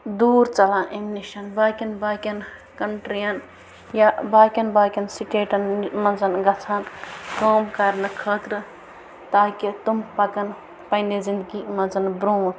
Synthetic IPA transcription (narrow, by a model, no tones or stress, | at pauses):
d̪uːɾt͡ʃɐlãʔemniʃɐnbaːkɐnbaːkɐnkɐɳʈɾijɐn | jabaːkɐnbaːkɐnsiʈeːʈɐnmɐzɐnɡɐt͡sʰankəːmkɐɾnɐkʰəːt̪ɾə | t̪aːkit̪umpɐkɐn | pɐɪnezind̪ɡimɐnzɐnbɾoːn